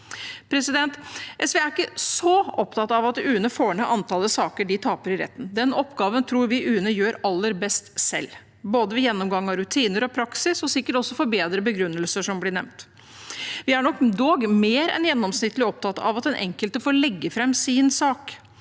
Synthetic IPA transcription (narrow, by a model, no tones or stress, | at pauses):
pʰɾɛsɪd̪ɛnt̪ʔɛsʋeːæɾɪkːəsɔɔpt̪ʰɑt̪ɑɑʋɑt̪ʉːənəfoːɳəʔɑnt̪ʰɑləsɑːkəɖɪt̪ʰɑːpəɾɪɾɛ̰t̪ːn̩d̪ɛnɔpːɡɑːʋənt̪ʰɾuːɾʋɪʔʉːnəjøːɾɑlːəɾbɛst̪sɛ̰lː | boːd̪əʋɪjɛnːɔmɡɑŋːɑɾʉt̪ʰiːnəɾɔpʰɾɑksɪsɔsɪkːəʈɔsːɔfoɾbeːd̪ɾəbəɡɾʉnːəlsəʂɔmblɪɳɛ̰ʋnt̪ | ʋɪæɳɔkd̪oːɡmeːɾɛ̰njɛnːɔmsnɪt̪ːlɪɔp̚t̪ʰɑt̪ɑ̰ʋɑt̪̚d̪ɛnʔɛ̰ŋkəlt̪əfoːɾlɛɡːəfɾɛmːsɪnsɑːk